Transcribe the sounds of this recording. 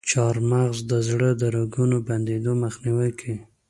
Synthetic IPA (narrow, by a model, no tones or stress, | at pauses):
t͡ʃɑɾmaɣzd̪əzɽəd̪əɾaɡunoband̪ed̪oməxniwajkʰi